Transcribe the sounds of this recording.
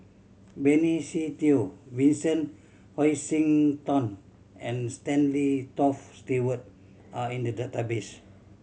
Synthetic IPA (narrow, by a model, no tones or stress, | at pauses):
bɛnisit̪iowĩnsə̃n | hɔjsĩŋt̪ɔ̃n | ɛ̃nstɛ̃nlit̪ɔfstiwət̪̚ | aĩndədat̪abes